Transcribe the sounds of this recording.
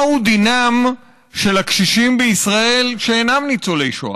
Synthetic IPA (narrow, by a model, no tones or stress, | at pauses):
hud̪inam | ʃe̞lakʃiʃimbeisʁae̞lʃeenamnit͡solejʃo̰